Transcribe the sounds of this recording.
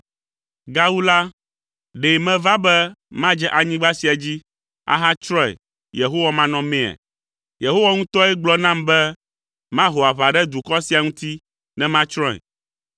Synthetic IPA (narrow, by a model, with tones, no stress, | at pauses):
ɡa˦wu˦la˦ | ɖe˨mɛ̃˦va˦bɛ˦mã˦d͡ʒɛ˦ʔa˨ɲĩ˦ɡ͡ba˦si˨a˨d͡ʑi˦ | a̰˨ɦã˦t͡ʃɾɔ̃˦ɛ̰˨ | je˨ɦo˦wa˦mã˦nɔ̃˦mẽ˦˨a̰˨ | je˨ɦo˦wa˦ŋũ˦t̪ɔ˦ɛ˦ɡ͡blɔ˦nã˦mbɛ˦ | mã˦ɦo˨a˨βa˨ɖɛ˦d̪u˨kɔ˦si˨a˨ŋũ˦t̪i˦ | nɛ̃˦mã˦t͡ʃɾɔ̃˦ɛ̰˨